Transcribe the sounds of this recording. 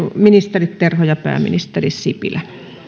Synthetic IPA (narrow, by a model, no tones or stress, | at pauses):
minist̪erit̪t̪erhojɑpæ̰ːmḭnist̪erissipḭlæ